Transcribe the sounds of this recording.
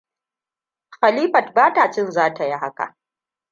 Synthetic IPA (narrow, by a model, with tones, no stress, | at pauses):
xa˨liː˦ɸɐ˨t̚baː˦ta˨t͡ʃɪ˦nzaː˦ta˨ji˦ɦa˦ka̰˨